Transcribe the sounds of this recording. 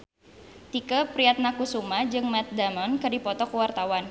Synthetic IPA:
t̪ikəpɾiat̪̚nakusumad͡ʒɨŋmat̪̚damɔnkɨrdipɔt̪ɔkuwart̪awan

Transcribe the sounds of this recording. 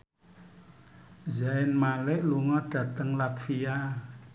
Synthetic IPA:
zaɪnmalɪʔluŋɔɖ̥ä̤t̪əŋlakfia

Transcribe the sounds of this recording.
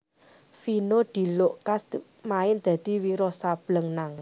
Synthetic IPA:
finod̪̥i̤loʔkas | maɪnd̪̥a̤d̪̥i̤wiɾɔsab̥ləŋnaŋ

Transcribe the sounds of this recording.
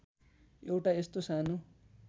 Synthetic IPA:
ewʈaest̪osanu

